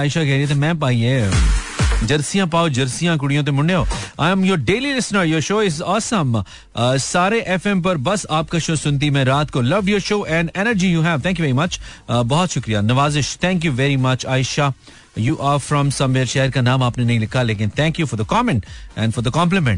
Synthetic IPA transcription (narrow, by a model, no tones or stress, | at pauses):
aːɪʃakɛɦɾiet̪ʰemɛ̃ːp̬aːie | d͡ʒɐɾsijãp̬aːod͡ʒɐɾsijãk̬ʊɽijõt̪̬emʊ̃ɳɖeɦoːa̰ːɪ̃mjɔɾɖeːlilɪsnəɾjɔːɾʃoːɪzɔːsə̃m | saːɾeʔɛfɛ̃mp̬ɐɾbɐsaːp̚kaʃoːsʊ̃nt̪̬imẽɾaːt̪kolɐʋɖjɔːɾʃoːʔɛ̃ɳɖɛnəɾd͡ʒijuːɦɛʋt̪ʰɛ̃ŋkjuʋɛɾimɐt͡ʃbɔɦɔt̪ʃʊkɾijanɐʋaːzɪʃt̪ʰɛ̃ŋkjuʋɛɾimɐt͡ʃaːɪʃa | juːʔaɾfɾɔ̃msɐ̃mʋeːɾʃeːəɾkanãːmaːpnenɐɦĩlɪkʰːaleːk̬ɪ̃nt̪ʰɛ̃ŋkjufɔɾd̪əkɔmɛ̃ɳʈɛ̰̃nɖfɔɾd̪əkɔ̃mplɪmɛ̃ɳʈ